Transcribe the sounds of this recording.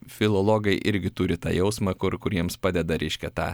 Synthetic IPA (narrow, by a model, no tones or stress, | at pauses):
fʲɪlˠɔlˠoɡɐɪʔɪɾʲɡʲɪt̪ʊɾʲɪt̪ɑ̰ːjɛʊsmɑkʊɾkʊɾʲiɛmspɑːd̪ʲɛd̪ɐɾʲʔɛɪʃʲkʲɛt̪ɑ̰ː